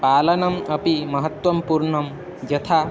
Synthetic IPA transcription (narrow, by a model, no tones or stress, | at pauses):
paːlɐnɐmɐpimɐɦɐt̪wɐmpuɾɳɐm | d͡ʒɐt̪ʰa